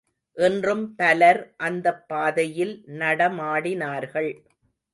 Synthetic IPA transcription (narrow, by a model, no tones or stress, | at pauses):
ʔɛndrɯmpɐlɐɾʔɐnd̪ɐpːaːðɐjɪlnɐɽɐmaːɽɪnaːɾɣɐɭ